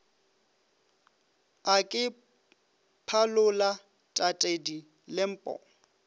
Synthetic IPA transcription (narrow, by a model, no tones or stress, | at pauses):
akʼɪ | pʰalʊla | tʼatʼedi | lɪm̩ːpʼɔ̰